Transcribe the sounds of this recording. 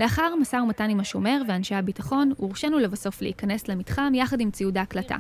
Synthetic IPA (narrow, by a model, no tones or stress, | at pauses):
le̞aχaʁmasaumatanimaʃo̞me̞ʁveanʃehabitaχo̞nuʁʃenulevaso̞fleikane̞slemitχamjaχadimt͡siudaːklata̰